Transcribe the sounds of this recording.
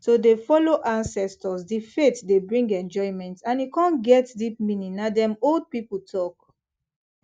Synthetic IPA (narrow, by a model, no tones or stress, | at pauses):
sodefɔloʔãnsɛstɔsdifetdebɹĩŋɡɛ̃nd͡ʒɔɪmɛ̃ntãnikãnɡɛtdip̚mĩnĩnadɛ̃mold̚pipətʰɔk